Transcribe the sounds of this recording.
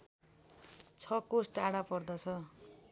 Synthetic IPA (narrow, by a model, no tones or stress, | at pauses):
t͡sʰʌkosʈaɽapʌrd̪ʌt͡sʰʌ